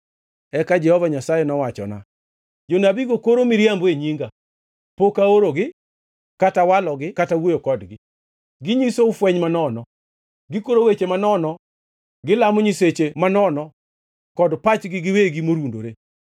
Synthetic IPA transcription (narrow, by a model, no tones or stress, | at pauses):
ɛkad͡ʒɛhɔvaɲasajɛnɔwat͡ʃɔ̰na̰ | d͡ʒonabiɡokoɾomiɾjambeɲiŋɡa | pokaoɾoɡɪ | katawalɔɡɪkatawojokɔdɡɪ | ɡɪɲisoʊfwɛɲmanɔnɔ | ɡɪkoɾowet͡ʃemanɔnɔ | ɡɪlamʊɲiset͡ʃemanɔnɔ | kɔdpat͡ʃɡɪɡɪweɡimoɾundoɾe